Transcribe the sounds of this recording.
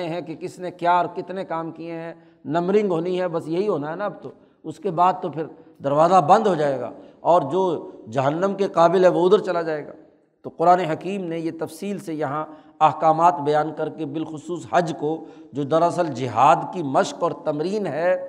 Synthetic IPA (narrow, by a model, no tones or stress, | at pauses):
eɦɛ̃kekɪsnekjaɔɾkɪt̪nekaːmkieɦɛ̃ | nɐmɾɪ̃ŋɡɦoːniɦɛbɐsjɐɦiɦoːnaɦɛnaɐbt̪o | ʊskebaːd̪̚t̪opʰɪɾd̪ɐɾʋaːzabɐ̃nd̪ɦod͡ʒaːeːɡa̰ː | ɔːɾd͡ʒoːd͡ʒɐɦənːəmkeqaːbɪlɦɛʋoʊd̪əɾt͡ʃɐlad͡ʒaːeːɡa̰ː | t̪oqʊɾaːneɦɐkiːmnejet̪ɐfsiːlsejɐɦã | ɐɦkaːmaːt̪bɐjaːnkɐɾkebɪlxʊsuːshɐd͡ʒkod͡ʒoːd̪ɐɾɐsəld͡ʒɪɦaːd̪kimɐʃkɔːɾt̪ɐmɾiːnɦɛː